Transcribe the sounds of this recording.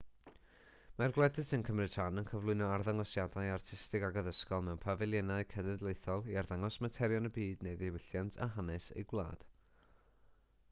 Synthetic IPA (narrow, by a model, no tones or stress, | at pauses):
marɡlˠɛdɨsənkʰəmrɨtʰanənkʰəvlˠʊɨnɔarðaŋɔsjadajartʰɪstɪɡaɡəðəskɔlˠmɛwnpʰavɛlˠjɛnaɨkʰənɛdlˠejθɔlˠiarðaŋɔsmatʰɛɾjɔnəbiːdnejðewɪɬjantʰa̰ɦanɛsḛjɡwlˠa̰ːd̥